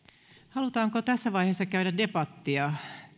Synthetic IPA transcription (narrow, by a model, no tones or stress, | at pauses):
hɑlut̪ɑːŋkot̪æsːæʋɑihesːɑkæyɾædepɑt̪ːiɑ